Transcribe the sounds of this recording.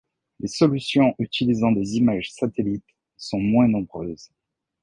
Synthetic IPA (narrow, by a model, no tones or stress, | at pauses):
lesɔlysjɔ̃ʔyt̪ilizɑ̃d̪ezimaʒsat̪elit̪ | sɔ̃mwɛ̃nɔ̃bʁøːz